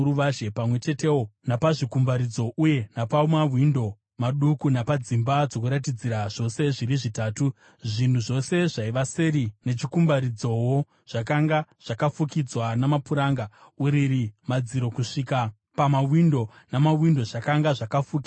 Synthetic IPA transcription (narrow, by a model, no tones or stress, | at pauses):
uʋaʒepamwe̞t͡ʃe̞te̞wo̞napaʐikumbaɾid͡zo̞ʔuje̞napamawwindo̞ | maɗukunapad͡zimbad͡zo̞kuɾat̬id͡ziɾaʐ̥o̞se̞ʐiɾiʐitaːtu | ʐʐin̤uʐo̞se̞ʐaiʋaseɾine̞t͡ʃikumbaɾid͡zo̞wo | ʐ̥akaŋɡaʐ̥akafukid͡zwanamapuɾaːŋɡauɾirimad͡ziɾo̞kuʂika | pamawindo̞ | namawindo̞ʐakaŋɡaʐakafuki